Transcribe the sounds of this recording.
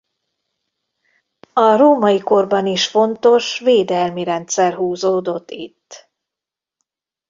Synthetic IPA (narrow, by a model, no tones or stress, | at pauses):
ɒroːmɒjiko̞rbɒniʃfo̞nt̪o̞ʃveːd̪ɛlmiɾɛnt̪sɛrɦuːzoːd̪o̞t̪ːit̪ː